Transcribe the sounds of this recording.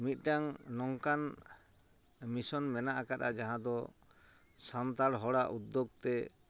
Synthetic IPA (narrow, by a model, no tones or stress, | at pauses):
mit̪̚ˀɖaŋnɔŋkan | misɔnmɛnaʔakaɾa̰d͡ʒaɦãd̪ɔ | sant̪aɽɦɔɽaʔud̪ːoɡ̚t̪ɛ